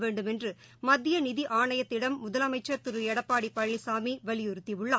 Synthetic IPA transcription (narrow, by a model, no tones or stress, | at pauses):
ʋeːɳɖɯmɛndrɯ | mɐðːɪjɐnɪðiʔaːɳɐjɐt̪ːɪɽɐmːʊðɐlɐmɐɪt͡ʃːɐɾt̪ɯɾɯɛɽɐpːaːɽipːɐɭːisaːmiʋɐɭɪjʊɾɯt̪ːiʋɯɭːaː